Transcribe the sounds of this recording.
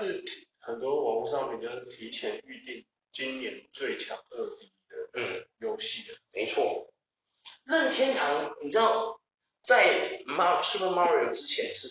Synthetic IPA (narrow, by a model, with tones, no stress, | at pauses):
ʂɻ̩˥˩t̪ʰi˨˩xə˨˩nt̪wɔ˥wɑ˧˥ŋu˧˥ʂɑ˥˧ŋpɛ˨˩t͡ɕo˥˩t̪ʰi˧˥t͡ɕʰjɛ˨˥ny˥˧t̪i˥˩ŋ | t͡ɕi˥njɛ˨˩n˧˥t͡swe˥˩ɪt͡ɕʰjɑ̰˧˥ŋɤ˥˧t̪i˥d̪̥ə˨˩jo˥ʊɕi˥˩d̪ə˩me˧˥ɪt͡sʰwɔ˥˩ | lə˥˩nt̪ʰjɛ˥nt̪ʰɑ˧˥ŋni˨˩ʈ͡ʂɻ̩˥d̪ɑ˥˩ʊ | t͡sa˥˧ɪma˥ʂɻ̩˥˩pʰə˥˩ma˥ɹi˨o˨˩ʊʈ͡ʂɻ̩˥t͡ɕʰjɛ˧˦nʂɻ̩˥˩